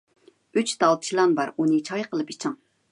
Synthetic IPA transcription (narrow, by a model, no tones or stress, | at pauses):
yt͡ʃd̪ɑlˠt̪t͡ʃʰilˠɑnbɑɾunɨt͡ʃʰɑjqəlˠɨpit͡ʃʰɑŋ